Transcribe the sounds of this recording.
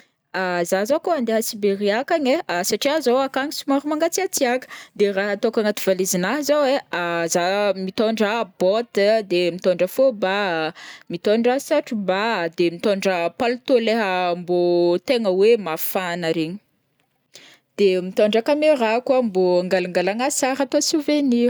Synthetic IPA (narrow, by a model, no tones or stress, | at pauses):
azazokoand̪eɦəsibeɾiakaɲeasaʈ͡ʂiazowakaŋisimaɾumaŋɡat͡siat͡siakə̥d̪eraɦat̪okaŋat̪ivalizinaɦzaweazamit̪oɳɖ͡ʐəbɔt̪əd̪emit̪oɳɖ͡ʐəfoba | mit̪oɳɖ͡ʐasaʈ͡ʂubad̪emit̪oɳɖ͡ʐəpalut̪oleɦəmbot̪eŋəwemafanəɾeɲi̥ | d̪̥emit̪oɳɖ͡ʐəkameɾakwamboaŋɡalaŋɡalaŋasaɾat̪osuveni